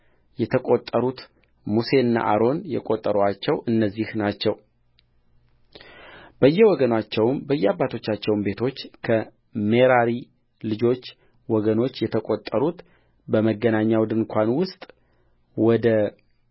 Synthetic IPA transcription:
jɛt̪ʰəkʼot̪ʼːəɾut̪ | muse̞ɨnːa̰ʔaɾo̞njɛ̰kʼot̪ʼːəɾoat͡ʃːɛwʔɨnːəzːihnat͡ʃːɛw | b̥əjːɛwɔɡənat͡ʃːɛwmbəjːɛabːat̪ʰo̞t͡ʃːat͡ʃːɛwmbe̞t̪ʰo̞t͡ʃːkʰə | meɾaɾi | lɨd͡ʒo̞t͡ʃː | wɔɡəno̞t͡ʃːjɛt̪ʰəkʼot̪ʼːəɾut̪ | bəməɡːənaɲːawd̪ɨŋkʷʰanwʊst̪ʼ | wɔd̪ə

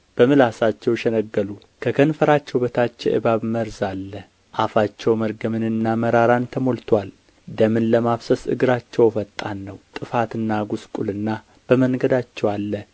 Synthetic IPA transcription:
b̥əmɨlasat͡ʃːɛwʃɛnəɡːəlu | kʰəkʰənfəɾat͡ʃːɛwbət̪ʰat͡ʃːɛ̰ʔɨ̰baβməɾzalːə | ʔafat͡ʃːɛwməɾɡəmɨnɨnːaməɾaɾant̪ʰəmo̞lt̪ʰwal | d̪əmɨnləmaβsəsɨ̰ɡɨɾat͡ʃːɛwfət̪ʼːanːəwt̪ʼɨfat̪ɨnːaɡuskʼulɨnːa | b̥əməŋɡəd̪at͡ʃːɛwalːə

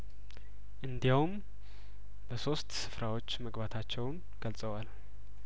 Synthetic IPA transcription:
ʔɨnd̪ijawum | bəso̞st̪sɨ̥fɾawo̞t͡ʃːməɡbat̪ʰat͡ʃːɛwn | ɡ̥əlsʼəwal

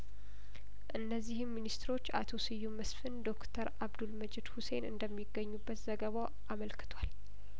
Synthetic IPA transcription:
ʔɨnːəzːihɨmːinist̪ɾo̞t͡ʃːa̰t̪ʰo̞sɨjːuməsfɨnd̪o̞kt̪ʰəɾaβd̪ulməd͡ʒɛd̪huse̞nɨnd̪əmːiɡːəɲːubːət̪zəɡəβaw | ʔaməlkʰɨ̥t̪ʰwal

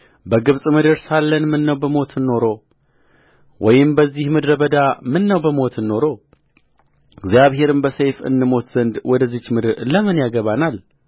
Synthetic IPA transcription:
bəɡɨβsʼmɨd̪ɨɾsalːənmɨnːəwbəmo̞t̪ɨnːo̞ɾo̞ | wɔjɪmbəzːihmɨd̪ɾəbəd̪amɨnːəwbəmo̞t̪ɨnːo̞ɾo̞ | ɡzjaβhe̞ɾɨmbəsejfɨ̰nːɨmo̞t̪z̥ənd̪wɔd̪əzːɨt͡ʃːmɨd̪ɨɾləmɨnjaɡəβanal

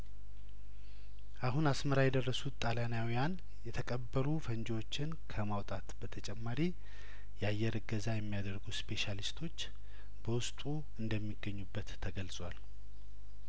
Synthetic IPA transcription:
ʔaɦunasməɾajɛd̪ərːəsut̪t̪ʼːalanjawijan | jɛt̪ʰəkʼəbːəɾufənd͡ʒwo̞t͡ʃːɪnkʰəmawt̪ʼat̪b̥ət̪ʰət͡ʃʼɛmːaɾi | jajːɛɾɨɡəzajɛmːijad̪əɾɡuspʰe̞ʃalist̪ʰo̞t͡ʃː | b̥əwʊst̪ʼu | ɨnd̪əmːiɡəɲːubːət̪ʰːəɡəlsʼwal

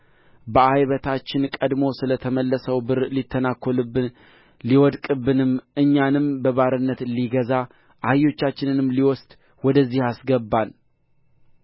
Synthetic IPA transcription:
bəajβət̪ʰat͡ʃːɪnkʼəd̪mo̞sɨlət̪ʰəməlːəsəwbɨɾlit̪ʰːənakʰːolɨbːɨn | liwɔd̪kʼɨbːɨnɨmʔɨɲːanɨmbəβaɾɨnːət̪liɡəza | ʔajːo̞t͡ʃːat͡ʃːɪnɨnɨmliwɔst̪ | wɔd̪əzːihasɡəbːal

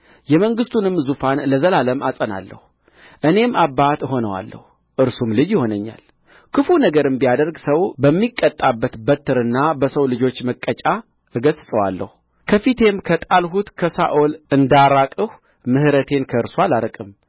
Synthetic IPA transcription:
jɛməŋɡɨst̪ʰunɨmːzufanləzəlaləmasʼəna̰lːə̰hu | ʔɨne̞mʔabːat̪ɦo̞nəwa̰lːə̰hu | ʔɨɾsumlɨd͡ʒjɪho̞nəɲːa̰l | kʰɨfunəɡəɾɨmbijad̪əɾɡsəwbəmːikʼːət̪ʼːabːət̪bət̪ʰːɨɾɨnːabəsəwlɨd͡ʒo̞t͡ʃːməkʼːət͡ʃʼa | ɨɡəssʼəwalːə̰hu | kʰəfit̪ʰe̞mkʰət̪ʼalɦut̪kʰəsa̰ʔolɨnd̪aɾakʼɨh | mɨhɨɾət̪ʰe̞nkʰəɨɾsualaɾəkʼɨm

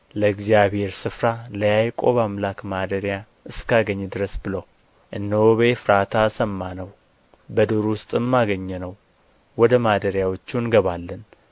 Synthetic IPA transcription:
ləɡzijaβhe̞ɾsɨfɾaləjajkʼo̞̰βamlakmad̪əɾja | ʔɨskaɡəɲːd̪ɨɾəsbɨləw | ʔɨnːəwoβefɨɾat̪ʰasəmːanəw | bəd̪oɾwʊst̪ʼɨmːaɡəɲːɛnəw | wɔd̪əmad̪əɾjawo̞t͡ʃːunɡəβalːən

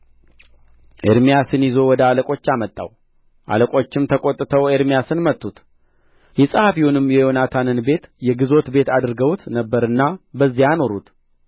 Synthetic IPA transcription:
ʔeɾmijasɨnjɪzo̞wɔd̪əaləkʼo̞t͡ʃːamət̪ʼːa̰w | ʔa̰ləkʼo̞t͡ʃːɪmt̪ʰəkʼo̞t̪ʼːɨt̪ʰəweɾmijasɨnmət̪ʼːut̪ | jɛsʼəhafihunɨmjɛjonat̪ʰanɨnbe̞t̪jɛɡɨzo̞t̪be̞t̪ʰad̪ɨɾɡəwt̪nəbːəɾɨnːabəzːijano̞ɾut̪

